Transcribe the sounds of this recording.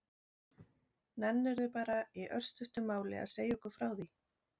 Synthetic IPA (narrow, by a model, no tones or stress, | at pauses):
nɛnːɛɾðʏpaːɾaiʔœr̥st̪ʏht̪ʏmaːwlɪ̰a̰ðseːjɔkʏ̥fɾaːwði